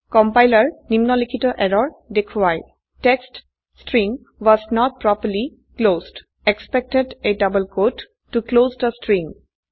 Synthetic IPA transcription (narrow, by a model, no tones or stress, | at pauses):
kɔmpajləɹnimnɔlikʰitɔʔɛɹɔɹdekʰwaj | tɛkst | sʈɹĩŋ | wɔznɔt̚pɹɔpəɹli | klozd | ɛkspɛk̚tededʌbəlkodː | uklozdəstɹĩŋ